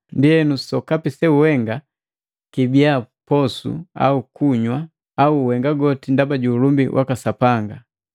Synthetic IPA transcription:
ndiɛnusɔkapisɛuwɛŋɡa | kibiapɔsṵa̰ukuɲwa | auːwɛŋɡaɡɔtindabaɟuːlumbiwʔa̰kasapaŋɡa

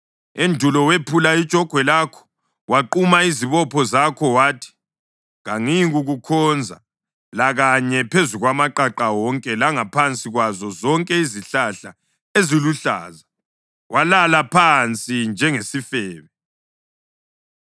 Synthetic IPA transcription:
endʱulɔwepʰulaid̥t͡ʃʼɔɡ̥ʱwɛlakʰɔ̥ | waǃumaiziβɔpʰɔzakʰɔwaːtʰi̥ | ɣaŋiɣuɣukʰɔnd͡zʱa̰ | laɣaɲɛpʰezuɣwamaǃaǃawɔŋkʼɛlaŋapʰant͡sʼiɣwazɔzɔŋkʼɛiziɬaɬa | eziluɬa̰ːza | walalapʰant͡sʼind͡ʒʱɛŋesifɛːβɛ

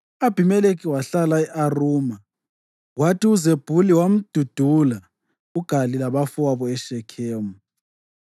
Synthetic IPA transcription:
ab̥ʱimɛlekʰʼiwaɬalaɛʔaruːma | ɣwatʰiuzeb̥ʱuliwam̩d̥ʱud̥ʱula | uɡ̥ʱalilaβafuwaβɔɛʃɛkʰeːmu

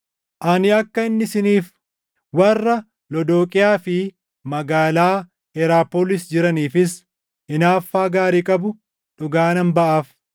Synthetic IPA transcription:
ʔɐnɪɐkːɐɪnːɪsɪniːf | wɐrːɐ | lɔd̪oːkʼɪjaːfɪ | mɐɡaːlaː | ɛɾaːpoːlɪsd͡ʒɪɾɐniːfɪs | ɪnaːfːaːɡaːɾiːkʼɐbʊ | ᶑʊɡaːnɐnbɐʔaːf

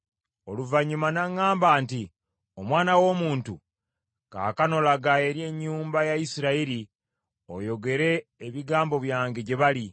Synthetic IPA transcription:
o̞luvaɲːumanaŋːaːmbaːnti | omwaːnawo̞ːmuːntu | ka̰ːkano̞laɡaeɾje̞ɲːuːmbajaisiɾaiɾi | o̞̰jo̞ɡe̞ɾe̞ːβiɡaːmbo̞βjaːŋɡe̞ɟeβali

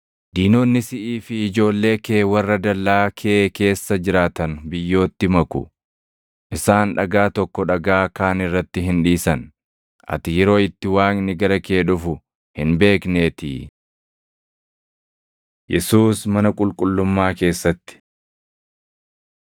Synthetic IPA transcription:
d̪̥iːnoːnːɪsɪʔiːfɪɪd͡ʒo̞ːlːe̞ːke̞ːwɐrːɐd̪ɐlːaːkʰeːke̞ːsːɐd͡ʒɪɾaːt̪ɐnbɪjːo̞ːt̪ːɪmɐkʊ̰ | ʔɪsaːnᶑɐɡaːt̪ɔkːɔᶑɐɡaːkaːnɪrːɐt̪ːɪɦɪnᶑiːsɐn | ʔɐ̰t̪ɪjɛɾo̞ːɪt̪ːɪwaːŋnɪɡɐɾɐke̞ːᶑʊfʊ | hɪnbe̞ːkne̞ːt̪ɪ̰ | jɛsuːsmɐnɐkʼʊlkʼʊlːʊmːaːke̞ːsːɐt̪ːɪ̥

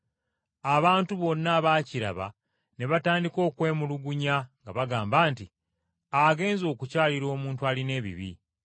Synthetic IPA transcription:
aβaːntuβo̞nːaβaːciɾa̰βa̰ | ne̞βataːndiko̞ːkwe̞ːmuluɡuɲaŋɡaβaɡaːmbaːnti | aɡe̞ːnzo̞ːkucaːliɾo̞ːmuːntuaːline̞ːβḭβḭ

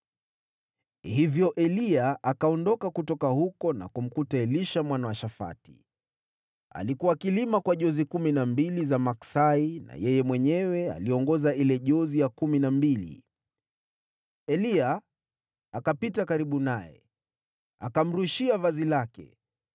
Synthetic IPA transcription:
hivjɔʔɛliaʔakaɔndɔkakutɔkahukɔna̰kum̩kutaɛliʃamwanawaʃafa̰ti̥̰ | a̰likuwaːkilimakwaʄɔzikuminambilizamaksaina̰jɛjɛmwɛɲɛwɛa̰liɔŋɡɔzailɛʄɔzijakuminambilḭ | ɛliaː | kapitakaɾiɓunajɛ̰ | akam̩ɾuʃiavazilakɛ̰

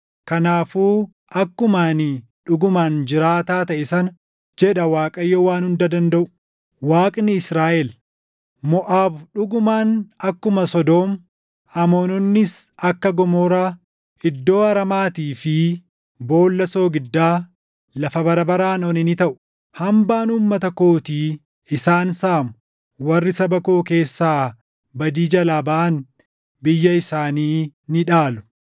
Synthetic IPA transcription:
kɐnaːfuː | ʔɐkːʊmaːnɪ | ᶑʊɡʊmaːnd͡ʒɪɾaːt̪aːt̪ɐʔɪsɐn | d͡ʒɛɗɐwaːkʼɐjːowaːnhʊnd̪ɐd̪ɐnd̪ɐʔʊ̥ | waːkʼnɪɪsɾaːʔɛl | mɔʔaːbᶑʊɡʊmaːnɐkːʊmɐsɔd̪o̞ːm | ɐmoːnɔnːɪsɐkːɐɡɔmoːɾaː | ɪd̪ːo̞ːɐɾɐmaːt̪iːfɪ | bo̞ːlːɐso̞ːɡɪd̪ːaː | lɐfɐbɐɾɐbɐɾaːnoːnɪnɪt̪ɐʔʊ̥ | hɐmbaːnuːmːɐt̪ɐkoːt̪iː | ɪsaːnsaːmʊ | wɐrːɪsɐbɐkoːke̞ːsːaː | bɐd̪iːd͡ʒɐlaːbɐʔɐn | bɪjːɐɪsaːniːnɪᶑaːlʊ̥

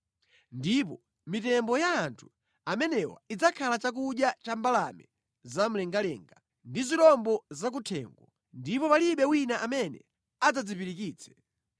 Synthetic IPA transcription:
ndip̬ɔ | mitɛmbɔjaːntʰu̥ | amɛnɛwa̰id͡zakʰalat͡ʃak̬uɗjat͡ʃambalamɛ | zam̩lɛŋɡalɛŋɡa | ndizilɔmbɔzak̬utʰɛ̰ŋɡwɔ | ndipɔpaliɓɛwinaʔamɛnɛ̰ | ad͡zad͡zipiɾikiːt͡sʰɛ̥

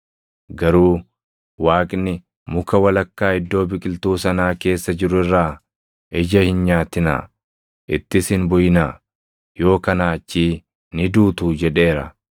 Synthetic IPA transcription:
ɡɐɾuː | waːkʼnɪ | mʊkɐwɐlɐkːaːɪd̪ːo̞ːbɪkʼɪlt̪uːsɐnaːke̞ːsːɐd͡ʒɪɾʊɪrːaː | ɛd͡ʒɐhɪnɲaːt̪ɪna̰ː | ʔɪt̪ːɪsɪnbʊjɪnaː | jo̞ːkɐnaːt͡ʃːiː | nɪd̪uːt̪uːd͡ʒɛᶑe̞ːɾɐ

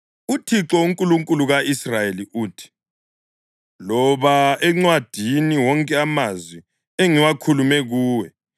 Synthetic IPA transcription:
utʰiǁɔuŋkʼuluŋkʼuluɣaisrajeliʔuːtʰi̥ | lɔβaɛŋ͡ǀwad̥ʱiniwɔŋkʼɛamazwi | eŋiwakʰulumɛɣuːwɛ

